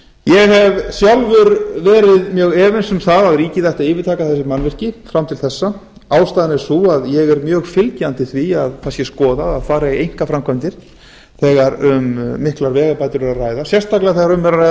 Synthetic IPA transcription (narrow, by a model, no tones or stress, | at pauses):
jɛɣhɛvsjawlvʏɾvɛːɾɪðmjœːɣɛːvɪnsʏmθaðaðɾiːcɪðajht̪aðɪːvɪɾt̪ʰaːkaθɛsɪmanːvɪr̥cɪfɾamt̪ʰɪlθɛsːa | aːwst̪ajðɪnɪ̥suaðjɛɣɛɾmjœːɣfɪlcant̪ɪθviaðkʰasjɛskɔːðaaðfaːɾaejŋ̥kafɾamkʰvœmt̪ɪɾ̥ | θɛːɣaɾʏmːɪhklaɾvɛːɣapajt̪ʏɾɛɾaraːjðasjɛst̪aklɪaθɛɣaɾʏmvɛɾaɾajða